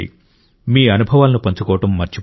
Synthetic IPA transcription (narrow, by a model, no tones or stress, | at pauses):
ḭ | miːɐnubʱɐʋaːlɐnupɐɲt͡ʃɐkɔːʋɐʈɐmːɐɾt͡ʃi